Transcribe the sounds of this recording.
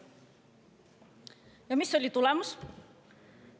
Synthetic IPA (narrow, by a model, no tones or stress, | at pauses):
jamisolit̪ulamus